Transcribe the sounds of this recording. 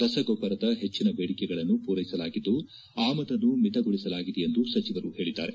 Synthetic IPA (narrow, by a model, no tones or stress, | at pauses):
ɾɐsɐɡopːɐɾɐd̪ɐɦe̞t͡ʃːinɐbeːɽikɛɡɐɭɐnːupuːɾɐjisɐlaːɡid̪ːu | aːmɐd̪ɐnːumit̪ɐɡoɭisɐlaːɡid̪ɛend̪usɐt͡ʃiʋɐɾuhe̞ːɭid̪ːa̰ːɾe